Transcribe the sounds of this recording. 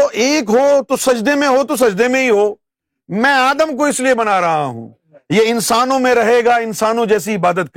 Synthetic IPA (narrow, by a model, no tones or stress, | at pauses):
t̪oʔeːkɦot̪osɐd͡ʒd̪emẽɦot̪os̬ɐd͡ʒd̪emẽɦiɦoː | mɛ̃ːaːd̪əmkoɪsliebɐnaɾɐɦa̰ɦṵ̃ː | jeɪnsaːnõmẽɾɐɦeːɡaɪnsaːnõd͡ʒɛːsiɪbaːd̪ət̪̚k